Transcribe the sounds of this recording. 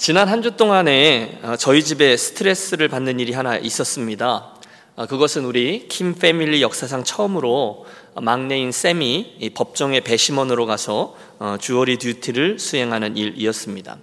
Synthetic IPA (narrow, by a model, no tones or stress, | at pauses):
t͡ɕinanɦand͡ʑut͈oŋane̞ʌt͡ɕʌid͡ʑibe̞sʰɯ̥tʰɯɾe̞s͈ɯɾɯɭpanːɯniɾiɦanaʔis͈ʌs͈ɯmɲida | kɯɡʌsʰɯnuɾikʰimfʰe̞miʎːijʌk̚s͈asʰaŋt͡ɕʰʌɯmɯɾo | maŋne̞ins͈e̞mipʌp̚t͡ɕ͈ʌŋe̞pe̞ɕʰimʌnɯɾokasʰʌ | t͡ɕuʌɾidjutʰiɾɯɭsʰuɦe̞ŋɦanɯniɾḭʌs͈ɯmɲida̰